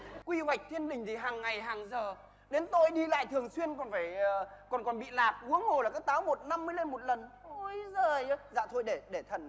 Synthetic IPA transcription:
kwi˧hwa˨˩k̚t̪ʰi˧ənɗï˨˩ŋ̟t̪ʰi˨˩ɦaː˨˩ŋːa˨˩jɦaː˨˩ŋzəː˨˩ | ɗe˨˦nt̪o˧jɗi˧la̰ː˧˨jt̪ʰɨ˨˩əŋswi˧ənkɔ˨˩nfaː˧˩jkɔ˨˩nkɔ˨˩nɓḭ˧˨laː˨˩p̚ʔu˨˦əŋho˨˩laː˨˩kaː˨˦k̚t̪aː˨˦wmo˨˩t̚na˧mːɨ˧˦˧le˧nmo˨˩t̚lə˨˩nʔo˧˩jzəː˨˩jza̰ː˧˨˩t̪ʰo˧jɗe˧˩ɗe˧˩t̪ʰə˨˩n

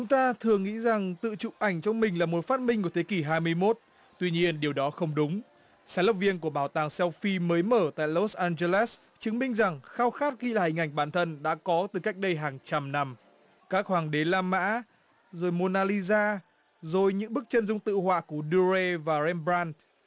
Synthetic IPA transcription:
t͡ɕʊ˨˦ŋ͡mt̪aː˧t̪ʰɨ˨˩əŋːḭ˧˥za˨˩ŋt̪ɨ̰˧˨t͡ɕʊ̰˧˨p̚ʔa˧˩jŋ̟t͡ɕɔ˧wŋ͡mmï˨˩ŋ̟laː˨˩mo˨˩t̚faː˦˥t̚mï˧ŋ̟ku˧˩ə˩t̪ʰe˨˦ki˧˩ɦaː˧jmɨ˧əjmo˦˥t̚ | t̪wi˧ɲi˧ənɗi˨˩əwɗɔ˨˦xə˧wŋ͡mɗʊ˨˦ŋ͡m | saː˨˦lə˨˩p̚vi˧ənku˧˩əɓaː˧˩wt̪aː˨˩ŋsɛ˧wfi˧məː˨˦jməː˧˩t̪a̰ː˧˨jlo˦˥sʔaː˧nze˧lɛ˦˥s | t͡ɕɨ˨˦ŋmï˧ŋ̟za˨˩ŋxaː˧wxaː˦˥t̚xi˧laː˨˩hï˨˩ŋʔa˧˩jŋ̟ɓaː˧˩nt̪ʰə˧nɗa̰ː˧˥kɔ˨˦t̪ɨ˨˩ka˦˥jk̚ɗə˧jɦaː˨˩ŋt͡ɕa˧mna˧m | kaː˦˥k̚hwaː˨˩ŋɗe˨˦laː˧ma̰ː˧˥ | zo˨˩jmo˧naː˧li˧zaː˧ | zo˨˩jɲɨ̰˧˥ŋɓɨ˦˥k̚t͡ɕə˧nzʊ˧ŋ͡mt̪ɨ̰˧˨hwa̰ː˧˨ku˧˩əɗu˧ze˧vaː˨˩zɛ˧mbɾaː˧n

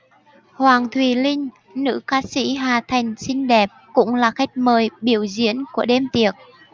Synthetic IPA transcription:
hwaː˨˩ŋt̪ʰwi˨˩lï˧ŋ̟ | nɨ̰˧˥kaː˧˥sḭ˧˥ɦaː˨˩t̪ʰa˨˩jŋ̟si˧ŋ̟ɗɛ˨˩p̚kʊ̰˧˥ŋ͡mlaː˨˩xa˦˥jk̟̚məː˨˩jɓi˧˩əwzḭ˧˥ənku˧˩əɗe˧mt̪i˨˩ək̚

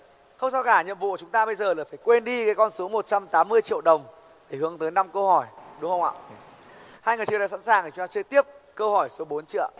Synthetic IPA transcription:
hə˧ŋ͡msa˧wkaː˧˩ɲə̰˧˨mvṵ˧˨˧t͡ɕʊ˨˦ŋ͡mt̪aː˧ɓə˧jzəː˨˩laː˨˩faː˧˩jkwe˧nɗi˧kaː˨˦jkɔ˧nso˨˦mo˨˩t̚t͡ɕa˧mt̪aː˨˦mːɨ˧əjt͡ɕḭ˧˨əwɗə˨˩wŋ͡m | ɗe˧˩hɨ˨˦əŋt̪əː˨˦jna˧mkə˧hɔ˧˩jɗʊ˨˦ŋ͡mhə˧wŋ͡ma̰ː˧˨w | haː˧jŋɨ˨˩jt͡ɕɨ˧əɗa̰˧˨sa̰˧˥nsaː˨˩ŋ˨˩˨t̪aː˧t͡ɕɨ˧ət̪i˦˥əp̚kəː˧whɔ˧˩jso˨˦ɓo˨˦nt͡ɕɨ̰˧˨ə

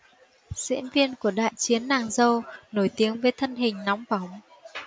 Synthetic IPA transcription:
zḭ˧˥ənvi˧ənku˧˩əɗa̰ː˧˨jt͡ɕi˨˦ənːaː˨˩ŋzə˧wno˧˩jt̪i˨˦əŋvəː˨˦jt̪ʰə˧nɦï˨˩ŋ̟nɔ˨˦wŋ͡mva˧˩wŋ͡m

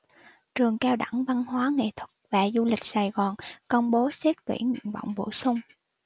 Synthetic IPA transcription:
t͡ɕɨ˨˩əŋkɛː˧wɗa˧˩ŋva˧nɦwaː˨˦ŋḛ˧˨t̪ʰwʊ̥˦˥t̚vaː˨˩zu˧lï˨˩k̟̚saː˨˩jɣɔː˨˩nkə˧wŋ͡mɓo˨˦sɛ˦˥t̚t̪wḭ˧˩nɲɨ̰˧˨nvə̰˧˨wŋ͡mɓo̰˧˩˨sʊ˧ŋ͡m

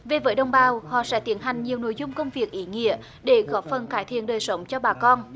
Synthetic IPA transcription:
ve˨˩vəː˨˦jɗə˧wŋ͡mɓaː˨˧˩whɔ̰˧˨sɛ̰˧˥t̪i˨˦ənɦa˨˩jŋ̟ɲi˨˩əwno̰˧˥˦jzʊ˧ŋ͡mkə˧wŋ͡mvi˨˩ək̚ʔi˨˦ŋḭ˧˥ə | ɗe˧˩ɣɔ˨˦˥p̚fə˨˩nkaː˨˦jt̪ʰḭ˧˨ənɗəː˨˩jsə˨˦wŋ͡mt͡ɕɔ˧ɓaː˨˩kɔ˧n

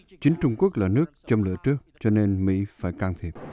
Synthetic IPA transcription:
t͡ɕï˨˦ŋ̟t͡ɕʊ˧ŋ͡mku˦˥ək̚laː˨˩nɨ˦˥ək̚t͡ɕɔ˧wŋ͡mlɨ̰˧˨ət͡ɕɨ˦˥ək̚t͡ɕɔ˧ne˧nmḭ˧˥faː˧˩jkaː˧nt̪ʰi˦˥əp̚

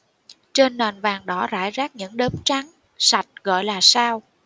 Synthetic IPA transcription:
t͡ɕe˧nːaː˨˩nvaː˨˩ŋɗɔ˨˦za̰ː˧˩jzaː˦˥k̚ɲɨ̰˧˥ŋɗəː˨˦mt͡ɕa˨˦ŋ | sa˨˩jt̚ɣɔ̰˧˨jlaː˨˩saː˧w

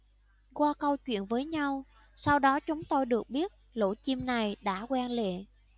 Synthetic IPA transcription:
kwaː˧kə˧wt͡ɕwḭ˧˨ənvəː˨˦jɲa˧w | sa˧wɗɔ˨˦t͡ɕʊ˨˦ŋ͡mt̪o˧jɗɨ˨˩ək̚ɓi˦˥ət̚lo̰˧˥˩t͡ɕi˧mna˨˩jɗa̰ː˧˥kwɛ˧nlḛ˧˨

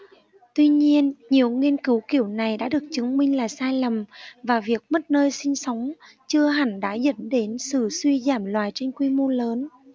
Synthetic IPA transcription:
t̪wi˧ɲi˧ənɲi˨˩əwŋi˧ənkɨ˨˦wki˧˩əwna˨˩jɗa̰ː˧˥ɗɨ˨˩ək̚t͡ɕɨ˨˦ŋmï˧ŋ̟laː˨˩saː˧jlə˨˩mvaː˨˩vi˨˩ək̚mə˦˥t̚nəː˧jsï˧ŋ̟sə˨˦wŋ͡m | t͡ɕɨ˧əɦa˧˩ŋ̟ɗa̰ː˧˥zə̰˧˥nɗe˨˦nsɨ̰˧˩swi˧zaː˧˩mlwaː˨˩jt͡ɕe˧nkwi˧mo˧ləː˨˦n

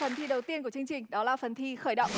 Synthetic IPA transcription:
fə˨˩nt̪ʰi˧ɗə˨˩wt̪i˧ənku˧˩t͡ɕɨ˧ə˧ŋt͡ɕï˨˩ŋ̟ɗɔ˨˦laː˨˩fə˨˩nt̪ʰi˧xəː˧˩jɗə̰˧˨wŋ͡m

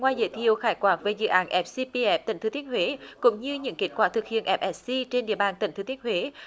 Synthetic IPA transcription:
ŋwaː˧jzə̰˧˦jt̪ʰi˧˨əwxaː˧˩jkwaː˧˦˥k̚ve˨˩zɨ̰˧˨ʔaː˨˦nʔɛ˨˦˥p̚si˧pi˧ʔɛ˦˥p̚t̪ḭ̈˧˩ŋ̟t̪ɨ˨˦t̪i˦ət̚hwe˨˦kʊ̰˧˥ŋ͡mɲɨ˧ɲɨ̰˧˥ŋki˨˦˥t̚kwaː˧˩t̪ʰɨ˨˩k̚hḭ˧˨ənʔɛ˦˥p̚ʔɛ˨˥ssi˧t͡ɕe˧nɗḭ˧˨əɓaː˨˩nt̪ḭ˧˩ŋʰɨ˨˦t̪i˦˥ət̚hwe˨˦

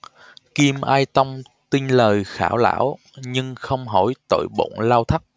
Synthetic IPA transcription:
ki˧mʔaː˧jt̪ə˧wŋ͡m | t̪i˧nləː˨˩jxa̰ː˧˩wla̰ː˧˥w | ɲɨ˧ŋxə˧wŋ͡mɦɔ˧˩jt̪o̰˧˨jɓo̰˧˨nlaː˧wt̪ʰa˦˥k̚

